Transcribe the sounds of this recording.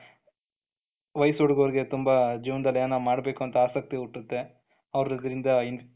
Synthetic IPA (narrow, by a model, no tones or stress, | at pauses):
ʋɐjsoɽɡɐʋɾiɡe̞t̪umbɐd͡ʒiːʋɐnd̪ɐlːjːnɐmaːɽbeːkuɐnt̪ɐaːsɐk̚t̪iuʈːut̪ːe̞ | ɐʋɾɾid̪ɐɾind̪ɐin